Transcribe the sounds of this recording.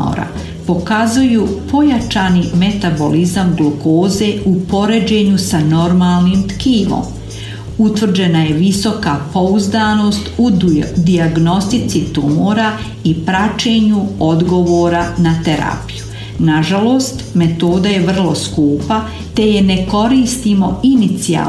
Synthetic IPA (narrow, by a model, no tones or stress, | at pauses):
o̰ɾa̰ | po̞kazujupo̞jat͡ʃaːnime̞t̪abo̞lizamɡlukoːze̞upo̞ɾe̞d͡ʑe̞ɲusano̞ɾmaːlˠniːmt̪kiːʋo̰ːm | ut̪ʋr̩d͡ʑe̞najeʋiso̞kapo̞uzd̪aːno̞ːst̪ud̪iaɡno̞st̪it̪sit̪umoɾa | ipɾat͡ʃe̞ːɲuo̞d̪ɡo̞ʋoːɾanat̪e̞ɾa̰piju | naʒalo̞ːst̪me̞t̪o̞ːd̪aje̞ʋr̩lˠo̞skuːpa | t̪e̞je̞ne̞ko̞ɾiːst̪imo̞init̪sia̰ː